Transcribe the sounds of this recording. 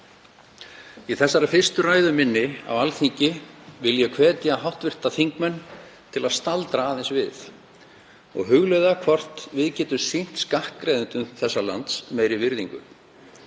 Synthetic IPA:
iθɛsːaɾafɪr̥st̪ʏraːjðʏmɪnːɪa̰walθiɲcɪvɪljɛkʰvɛːt̪jaɦawht̪vɪr̥t̪aθiŋkmœnː | t̪ʰɪlaðst̪alt̪ɾaaːðɛnsvɪθ | ɔ̰ɣɦʏɣlœjðakʰvɔr̥t̪vɪðcɛːt̪ʏsejn̥t̪skahkkːɾajðʏnt̪ʏmθɛsːala̰nt̪smeːjɾɪvɪɾðiŋkʏ̰

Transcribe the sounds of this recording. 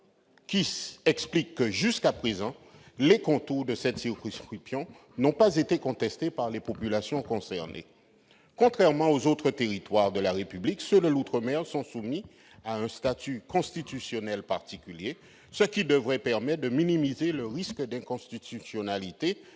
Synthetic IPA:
kʲiɛksplikːəʒyskapχezɑ̃lekɔ̃t̪uʁd̪əsɛt̪siʁkɔ̃skχipsjɔ̃ | nɔ̃pazet̪ekɔ̃t̪ɛst̪epaʁlepopylasjɔ̃kɔ̃sɛʁnḛ | kɔ̃t̪χɛʁmɑ̃ozot̪χət̪eʁit̪waʁd̪əlaʁepybliksød̪əlut̪χəmɛʁsɔ̃sumi | aɛ̃st̪at̪ykɔ̃st̪it̪ysjɔnɛlpaʁt̪ikʲylje | səkʲid̪əvʁɛpɛʁmɛt̪̚d̪əminimizeləʁiskəd̪ɛ̃kɔ̃st̪it̪ysjɔnalit̪e

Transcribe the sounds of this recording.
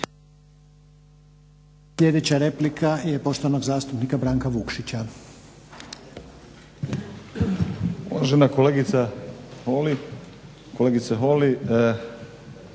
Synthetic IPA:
sʎʲe̞d̪et͡ɕaɾe̞plikʰajepo̞ʃt̪oʋano̞ɡzaːst̪upnikabɾaːŋkaʋukʃit͡ɕa | uʋaʒenakoleɡit̪saholi | koleːɡit̪seɦoli

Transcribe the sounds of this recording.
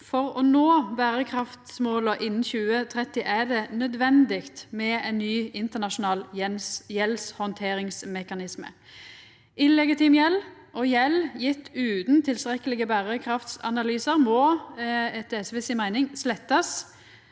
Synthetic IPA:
fɔʁɔnoːbæːʁəkʰʁɑft̪smoːləʔɪnːn̩çʉːət̪ʰʁɛt̪ːɪʔæd̪ɛnœd̪ʋɛnd̪ɪkt̪mɛænːyːɪnt̪əʁnɑʂʊnɑːljɛlshɔnt̪ʰeːɾɪŋsmɛkɑnɪsmə̰ | ʔɪlːɛɡɪt̪iːmjɛlʔɔjɛljɪt̪ːʉːt̪n̩t̪ʰɪlst̪ʁɛkːəlɪɡəbæːʁəkʰʁɑft̪sɑ̰nɑlyːsəʁmɔːɛt̪ːɛsʋɛsɪmæɪnɪŋslɛt̪ːɑs

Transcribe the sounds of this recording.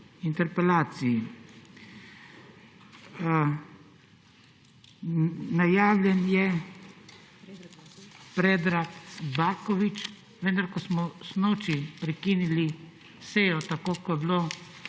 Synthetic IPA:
int̪ɛɾpɛlaːt̪siji | najaːwlʲjɛnjɛ | pɾeːd̪ɾakbaːkɔʋit͡ʃ | ʋə̃nd̪aɾkɔsmɔsnoːt͡ʃipɾɛkiːnili | seːjɔt̪akoːkɔjbloː

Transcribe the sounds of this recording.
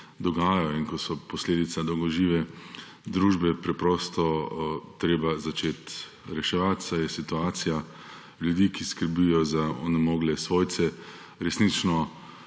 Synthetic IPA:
d̪ɔɡaːjajɔinkɔsɔpɔsleːd̪it̪sad̪ɔwɡɔʒiːʋɛ | d̪ɾuːʒbɛpɾɛpɾɔːst̪ɔt̪ɾeːbazat͡ʃeːt̪ | ɾɛʃɛʋat̪sajɛsit̪uaːt̪sija | ljud̪iːkiskəɾbijɔzaɔ̰nɛmɔːɡlɛsʋoːjt̪sɛ | ɾɛsnit͡ʃnɔ

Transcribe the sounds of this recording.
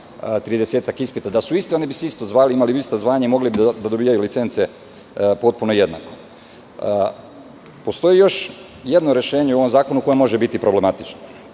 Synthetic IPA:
t̪ɾid̪eseːt̪akispit̪ad̪asuist̪eo̞nibiseist̪o̞zʋaːliimaliist̪azʋaːɲaimo̞ɡlibid̪d̪ad̪o̞biːjajulit̪se̞nt̪sije | po̞t̪̚punoje̞d̪na̰ko̞ | po̞st̪o̞jijo̞ʃ | je̞d̪no̞ɾe̞ʃe̞ːɲeuo̞mzaːko̞nuko̞jemo̞ʒebit̪ipɾo̞ble̞mat̪it͡ʃno

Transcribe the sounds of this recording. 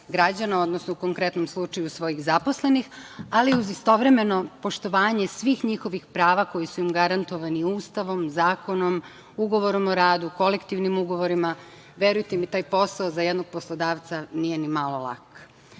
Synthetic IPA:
ɡɾad͡ʑanao̞d̪nosnouko̞ŋkɾe̞t̪nomslˠut͡ʃajusʋo̞jiɣzapo̞sle̞nixaliuzist̪o̞ʋɾeme̞no̞po̞ʃt̪o̞ʋaːɲe̞sʋiːxɲixo̞ʋixpɾaːʋako̞jisuimɡaɾant̪o̞ʋaniuːst̪aʋo̞mzaːko̞no̞m | uɡo̞ʋo̞ɾo̞moɾaːd̪uko̞lekt̪iʋnimuɡo̞ʋo̞ɾima | ʋjeɾujt̪emit̪aːjpo̞saozajed̪no̞ɡ̥̚poslˠo̞d̪aːʋt̪sanijenimalˠo̞lˠa̰k

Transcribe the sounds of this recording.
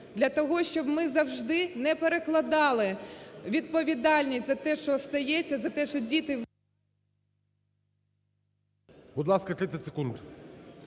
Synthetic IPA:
d̪lʲɐt̪ɔɦɔʃt͡ʃɔbmɪzɐwʒd̪ɪnɛpeɾeklˠɐd̪ɑlˠɪʋʲid̪̚pɔʋʲid̪ɑlʲnʲistʲzɐt̪ɛʃt͡ʃɔst̪ɐjɛt͡sʲːɐzɐt̪ɛʃt͡ʃɔdʲit̪ɪ | bud̪lˠɑskɐt̪ɾɪɐtʲsekund̪

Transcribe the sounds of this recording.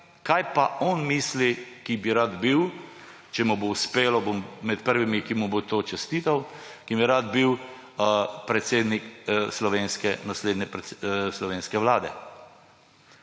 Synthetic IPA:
kajpaʔɔnmiːslikibiɾad̪biw | t͡ʃɛmuboʊspeːlɔbommɛt̪pəɾʋimikimubot̪oːt͡ʃɛst̪iːt̪aw | kimiɾad̪biw | pɾɛt̪seːd̪nikslɔʋeːnskɛnasleːd̪nɛpɾslɔʋeːnskɛʋlaːd̪ɛ

